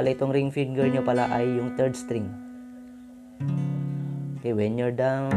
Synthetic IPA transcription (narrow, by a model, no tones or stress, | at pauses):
laɪt̪oŋɾiŋfiŋɡɛɹɲopalaʔajːʊŋt̪ɛɹd̪st̪ɾiŋ | kɛjwɛnjɔɹd̪a